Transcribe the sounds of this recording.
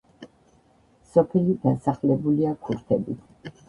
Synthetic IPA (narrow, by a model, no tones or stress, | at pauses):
sɔpʰɛlid̪asaχlɛbuliakʰuɾt̪ʰɛbi